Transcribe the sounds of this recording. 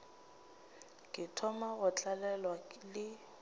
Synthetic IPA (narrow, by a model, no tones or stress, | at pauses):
kʼɪtʰɔmaɣʊt͡ɬʼalɛlwalɪ